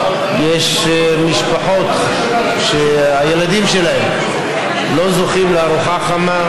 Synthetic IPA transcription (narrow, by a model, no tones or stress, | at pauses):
jeʃ | miʃpaħo̞t̪ | ʃeajelad̪imʃe̞laem | lo̞zoχimleaɾuχaχama